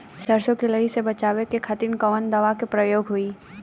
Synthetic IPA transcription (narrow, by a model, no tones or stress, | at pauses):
sɐɾsõkelɐɦisebɐt͡ʃaːwekekʰat̪iːnkəʋənd̪ɐʋakepɾɐjoːɡɦuiː